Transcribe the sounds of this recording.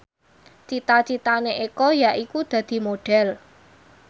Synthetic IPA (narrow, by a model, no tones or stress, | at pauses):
t͡ʃit̪at͡ʃit̪aneʔekɔjaʔikud̪̥ä̤d̪̥i̤moɖ̥ɛ̤l